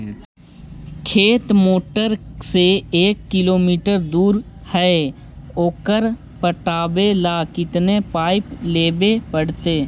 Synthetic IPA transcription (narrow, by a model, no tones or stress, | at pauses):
kʰeːt̪moːʈəɾseeːkːɪloːmiːʈəɾd̪uːɾ | hɛe | oːkəɾ | pəʈaːbelaːkɪt̪nepaːɪpleːbepəɽt̪eː